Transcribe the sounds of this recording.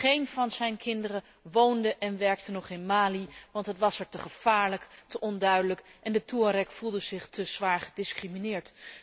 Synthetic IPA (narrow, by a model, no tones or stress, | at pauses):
χejnvɑnzɛjnkʰɪndərə | ʋowndəʔɛnʋɛɹk̚tənɔχɪnmaːliʋɑntɦətʋɑsɛɹtəχəv̥aːɹləktəʔɔndœɥdələkʔɛndətuəɾɛkfulˠdəzɪχtʰəz̥ʋaːɹχədɪskriminɪːɹt